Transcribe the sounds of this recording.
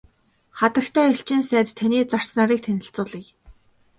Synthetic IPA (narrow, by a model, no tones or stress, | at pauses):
χat̪ə̆kt̪ʰæːiɬt͡ɕĭnsæːt̪t̪ʰːaniːt͡sar̥snaːɾiːk̚t̪ʰenʲɪ̆ɬt͡sʊːɮiːj